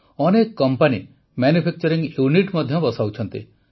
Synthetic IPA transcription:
ɔnekɔkːɔmpani | manjupʰek̚t͡ʃɔɾiŋjuniʈmɔd̪ʱjɔbɔsawt͡ʃʰɔnt̪ḭ

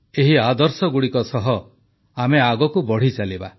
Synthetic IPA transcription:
eɦiad̪ɔɾsɔɡuɽikɔsɔɦɔ | ameaɡɔkubɔɽ̤it͡ʃaliba

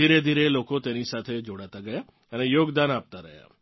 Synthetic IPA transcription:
iɾed̪ʱiɾelokot̪enisat̪ʰed͡ʒoɽat̪aɡəja | ənejoɡd̪anap̚t̪aɾəɦja̰

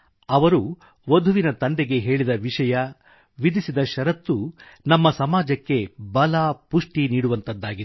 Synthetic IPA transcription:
ɐʋɐɾu | ʋod̪ʱuʋinɐt̪ɐnd̪ɛɡe̞ɦe̞ːɭid̪ɐʋiʂɐjɐ | ʋid̪isid̪ɐʃɐɾɐt̪ːunɐmːɐsɐmaːd͡ʒɐkːe̞bɐlaːpuʂʈiniːɽuʋɐnt̪ɐd̪ːaːɡit̪

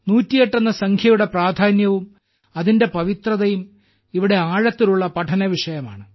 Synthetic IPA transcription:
nuːtːijeʈːɐnːɐsɐŋkʰjɐjuɽe̞praːd̪ʱaːnjɐʋum | ɐðinde̞pɐʋit̪rɐðɐjum | iʋiɽe̞aːɻɐt̪ːiluɭːɐpɐʈʰɐnɐʋiʂɐjɐma̰ːɳɨ

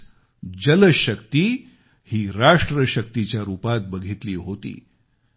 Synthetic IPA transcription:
d͡ʑələɕəkt̪iː | hiːɾaʂʈɾəɕək̚t̪it͡ɕjaɾuːpat̪̚bəɡʱit̪liːɦot̪ḭː

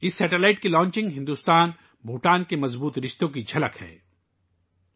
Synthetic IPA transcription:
ɪsːɛːʈelaːɪʈkilɔ̃ːɲt͡ʃɪ̃ŋɡɦɪ̃nd̪uːst̪aːn | bʱuːʈaːnkemɐzbuːt̪ɾɪʃt̪õk̬id͡ʒʱɐləkhɛ̰ː

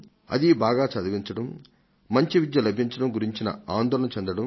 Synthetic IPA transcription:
ɐ̰d̪ibaːɡaːt͡ʃɐd̪ɐʋiɲt͡ʃɐɽɐmː | ɐɲt͡ʃiʋid̪jɐlɐbʱiɲt͡ʃɐɽɐmɡuɾiɲt͡ʃinɐ̰aːnd̪ɔːlɐnɐt͡ʃend̪ɐɽɐm

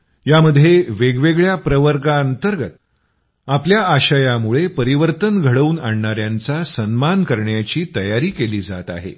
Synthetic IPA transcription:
jaməd̪ʱːjeʋeɡʋeɡɭjapɾəʋəɾkaənt̪əɾɡət̪̚ | apljaaɕajamuɭepəɾiʋəɾt̪ənɡʱəɽəuːnaɳɳaɾjant͡sasənmankəɾɳjat͡ɕiːt̪əjaɾiːkeliːd͡za̰t̪a̰ɦḛ

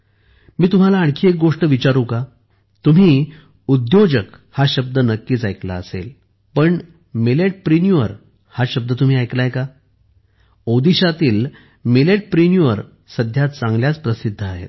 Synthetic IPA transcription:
miːt̪um̤alaːɳ̃kʰiːek̚ɡoʂʈəʋit͡ɕaɾũka | t̪um̤iː | ud̪jod͡ʑək | haɕəb̚d̪ənəkːiːt͡sajkla̰əsḛl | pəɳ | meleʈ̚pɾinjuʋəɾ | haɕəb̚d̪ət̪um̤iːajklaɦeka | od̪iɕat̪iːl | meleʈ̚pɾinjuʋəɾ | səd̪ʱjat̪t͡sãŋɡljat͡spɾəsid̪ʱːəaɦḛt̪

